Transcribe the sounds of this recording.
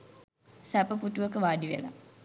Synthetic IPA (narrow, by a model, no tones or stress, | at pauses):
sæpəput̪uʋəkəʋaːɖiʋḛla̰